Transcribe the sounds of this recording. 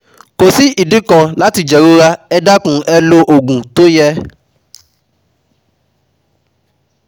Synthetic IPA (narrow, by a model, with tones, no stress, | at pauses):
ko˨si˦ʔi˨dĩ˦kã˧la˦ti˧d͡ʒɛ˨ɾo˦ɾa˧ɛ˧da˦kũ˨˦ʔɛ˧lo˧ʔo˨ɡũ˨to˦jɛ˦